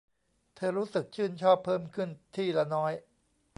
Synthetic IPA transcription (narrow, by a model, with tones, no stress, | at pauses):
t̪ʰɤː˧ɾuː˦˥sɯ˨˩k̚t͡ɕʰɯː˥˩nt͡ɕʰɔː˥˩pʰːɤː˥˩mkʰɯ˥˩nt̪ʰiː˥˩la˧˩nɔː˦˥j